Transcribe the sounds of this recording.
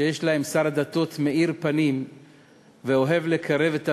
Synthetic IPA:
ejeʃlahe̞msaʁad̪at̪o̞t̪me̞ʔiʁpanim | veo̞ɦe̞vle̞kʰaʁe̞vet̪a

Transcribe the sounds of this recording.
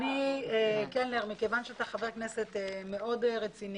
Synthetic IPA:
niekenleʁmikevanʃeat̪aχaveʁkneset̪emeo̞dʁet͡sin

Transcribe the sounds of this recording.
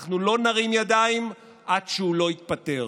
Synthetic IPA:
χnulo̞naʁimjad̪aim | ʔadʃeulo̞it̪̚pat̪e̞

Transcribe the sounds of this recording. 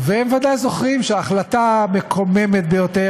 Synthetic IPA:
veemvad̪ajzo̞χʁimʃeːχlat̪amekʰomeme̞t̪̚bejo̞t̪e

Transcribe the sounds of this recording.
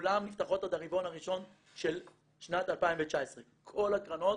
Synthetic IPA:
lamnift̪aχo̞thad̪aʁivo̞nhaʁiʃo̞n | ʃel | ʃnat̪alpaĩɱvet͡ʃaesʁekʰo̞lakʁano̞t

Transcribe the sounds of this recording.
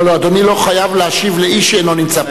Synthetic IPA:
load̪onilo̞χajavleaʃivleiʃenlonimt͡sa

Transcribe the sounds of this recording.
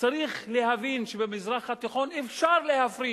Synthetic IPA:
t͡saɾiχlehavinʃebemizɾaχhat̪iχonefʃaɾlehafɾi

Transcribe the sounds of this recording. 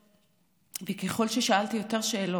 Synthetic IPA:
vekeχo̞lʃeʃaalt̪ijo̞te̞ʁʃeːlo

